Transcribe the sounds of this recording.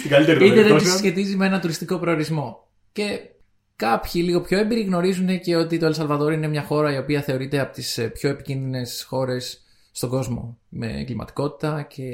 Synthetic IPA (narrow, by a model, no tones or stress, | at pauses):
st̪iɡɐlit̪eɾiit̪eðesçe̞t̪izimee̞nɐnt̪uɾist̪iko̞pɾeoɾizmo̞ | ce̞ | kɐpçiliɣo̞pço̞embiɾiɣno̞ɾizune̞ce̞o̞t̪it̪o̞elsɐlvɐðo̞ɾine̞mɲɐxo̞ɾɐio̞piɐθe̞o̞ɾit̪e̞ɐpo̞̥t̪ispço̞e̞picinðine̞sxo̞ɾe̞sː | t̪o̞ŋɡo̞zmo̞̰me̞̰ɡlimɐ̰t̪i̥ko̞t̪i̥t̪ɐce̞